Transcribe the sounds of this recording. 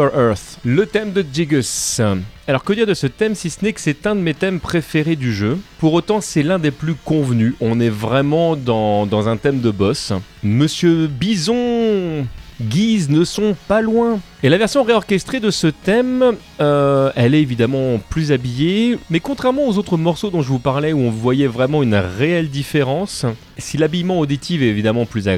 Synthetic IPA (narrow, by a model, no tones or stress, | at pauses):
ʁθlət̪ɛmd̪əd͡ʒ̪iɡɔs | alɔʁkəd̪iʁd̪əsət̪ɛmsisənɛkə̥sɛt̪ɛ̃d̪əmet̪ɛmpχefeʁed̪yʒøpuʁot̪ɑ̃sɛlɛ̃d̪eplykɔ̃vnyɔ̃nɛvʁɛmɑ̃d̪ɑ̃d̪ɑ̃zɛ̃t̪ɛmd̪əbɔsməsjøbizɔ̃ | ɡʲiznəsɔ̃palwɛ̃ | elavɛʁsjɔ̃ʁeɔʁkʲɛst̪χed̪əsət̪ɛm | øɛlɛevid̪amɑ̃plyzabijemɛkɔ̃t̪χɛʁmɑ̃ozot̪χəmɔʁsod̪ɔ̃ʒəvupaʁlɛuɔ̃vwajɛvʁɛmɑ̃ynʁeɛld̪ifeʁɑ̃s | silabijmɑ̃od̪it̪ʰivɛevid̪amɑ̃plyza